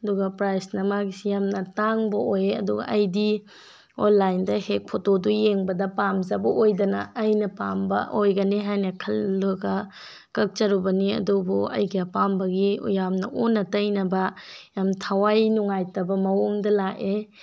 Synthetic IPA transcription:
ɐduɡɐpɾajsnɐmaɡisijamnɐtaŋbɐʔojeɐ̰duɡɐ̰ʔɐjdi | onlːajndɐhek̚pʰotodujeŋbɐdɐpamzɐbɐʔojdɐnɐ̰ːjnɐpambɐ̰ʔojɡɐniɦajnɐkʰɐlːuɡɐ | kɐk̚t͡ʃɐɾubɐniɐ̰dubuɐ̰jɡiɐpambɐɡijamnɐʔonːɐtɐjnɐbɐjamtʰɐwajnuŋajtɐbɐmɐwoŋdɐlaʔe

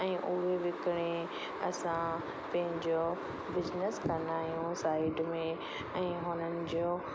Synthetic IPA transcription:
ɛ̃ːʔʊɦeʋɪkɪɽ̃ẽ | ɐsã | pɐ̃ɦɪ̃ɲd͡ʑo | bɪznəskɐnaːɦijũsaːɪɖmẽ | ɛ̃ːɦʊnənɪ̆d͡ʑo

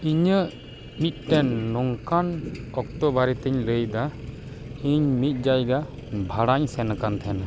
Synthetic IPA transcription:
iɲə | mit̪̚ˀʈɛnːɔŋkanɔk̚t̪ɔbaɾit̪ɛɲləjd̪a | iɲmit̪̚ˀd͡ʒajɡa | bʱaɽaɲsɛnkant̪ʰɛn

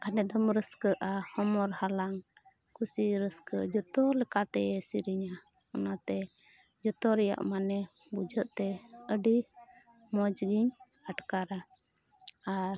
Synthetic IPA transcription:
kanɛd̪ɔmɾəskəʔahɔmɔɾhalaŋ | kʰusiɾəskəd͡ʒɔt̪ɔlɛkat̪ɛɛsiɾiɲa | ɔnat̪ɛ | d͡ʒɔt̪ɔɾɛja̰ʔmanɛ | bud͡ʒəʔt̪ɛəɖi | mɔd͡ʒɡiɲ | aʈkaɾa | aɾ

